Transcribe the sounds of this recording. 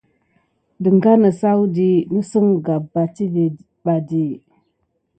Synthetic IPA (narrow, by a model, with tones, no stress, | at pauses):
də˨ŋɡa˦nə˨sa˦wu˦di˦nu˦sə˦ŋɡa˨ba˨ti˦ve˨ | ɓa˨di˦